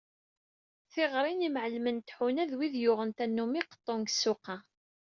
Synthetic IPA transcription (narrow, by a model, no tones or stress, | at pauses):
θɪʁɾˤinimʕəlmənt̪ħunæðwiðjʊʁənt̪ænːumiqə̥t̪ˤːoŋɡsːʊqɑ